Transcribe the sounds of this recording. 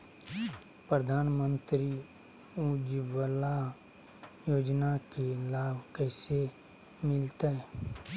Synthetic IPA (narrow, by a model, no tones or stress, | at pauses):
pɾəd̪ʱaːnmə̃nt̪ɾi | ud͡ʒwəla | joːd͡ʒnakelaːbkɛːse | mɪlt̪aɛ